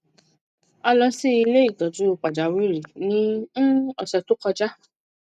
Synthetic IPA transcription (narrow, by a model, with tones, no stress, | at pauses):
ɔ˧lɔ˦si˦i˧le˦i˦˨ɡɔ˨d͡ʒu˨˦˨k͡pa˨d͡ʒa˨˦wi˦ɾi˨nĩ˦ | ɔ˨sɔ˧to˦kɔ˧d͡ʒa˦